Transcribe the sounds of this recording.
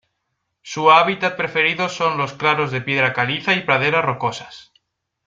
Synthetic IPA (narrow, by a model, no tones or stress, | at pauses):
suaβ̞it̪at̪̚pɾe̞fe̞ɾiðo̞sːo̞nlo̞sklaɾo̞zðe̞pje̞ð̞ɾakaliθaipɾað̞e̞ɾaro̞ko̞sḁs